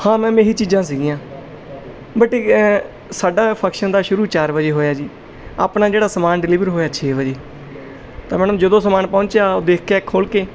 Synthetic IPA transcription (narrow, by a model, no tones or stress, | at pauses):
hãːmɛ̃ːmeːɦiːt͡ʃiːd͡ʒãːs̬iːɡijãː | bəʈeː | saːɖaːpʰəkʃənd̪aːʃʊɾuːt͡ʃaːɾʋəd͡ʒeːɦoːjaːd͡ʒiː | a̰ːpnaːd͡ʒeːɽaːsəmaːnɖɪliːʋəɾɦoːjaːt͡ʃʰeːʋəd͡ʒeː | t̪ãːmɛːnəmd͡ʒəd̪õːsəmaːnpɔ̃ːnt͡ʃjaːoːd̪eːkʰkeːkʰːoːlkeː